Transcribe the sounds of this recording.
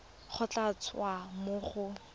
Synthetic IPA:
χʊt͡ɬat͡sʰwamʊːχʊ

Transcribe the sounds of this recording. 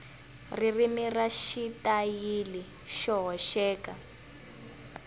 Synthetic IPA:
ririmiraʃitajili | ʃɔɦɔʃɛːka

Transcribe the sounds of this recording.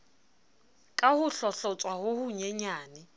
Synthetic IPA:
kʼahʊɬɔɬɔt͡sʼwahʊhʊɲɛɲaːnɪ

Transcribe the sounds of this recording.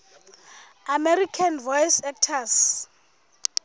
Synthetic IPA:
amerikʰanvɔjsɛk̚tʰas

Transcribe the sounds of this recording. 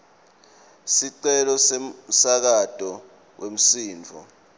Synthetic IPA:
siǀɛlɔsesak̬ad̥ʱʼɔ | wem̩siːnd͡vʱɔ̰

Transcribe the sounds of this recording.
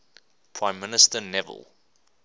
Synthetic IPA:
pʰɹ̥ãɪ̃mːɪnɪstənɛvə̰lˠ

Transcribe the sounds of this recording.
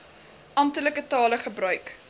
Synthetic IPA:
ʔɐmtələkətɑːləχəbrœɥk

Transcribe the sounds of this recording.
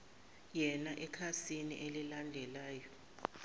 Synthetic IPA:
jɛnaʔɛkʰasiniʔelilandʱɛlaːjɔ

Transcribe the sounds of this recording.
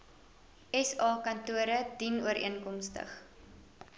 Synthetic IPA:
ɛsɑːkɐntuəɾədinuəɾʔḭənkɔmstə̰χ

